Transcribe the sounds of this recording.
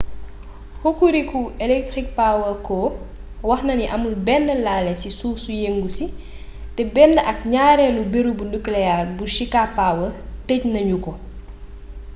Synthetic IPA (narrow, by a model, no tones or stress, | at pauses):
hokuɾikuɛlɛk̚tɾik̚pawəkɔː | wɐxnɐniʔɐmulbɛnːəlaːlɛsisuːsujeŋɡusi | tɛbɛnːəʔɐk̚ɲaːɾɛlubeɾubunuklɛjarbuʃikapaːwətəcnɐɲukɔ